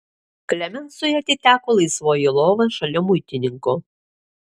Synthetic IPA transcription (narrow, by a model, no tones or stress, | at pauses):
klʲɛmʲɛnsʊjɛt̪ʲɪt̪ʲæːkoːlˠɐɪsʋoːjɪlˠoːʋɐʃɐlʲʊmʊjt̪ʲɪnʲɪŋkʊ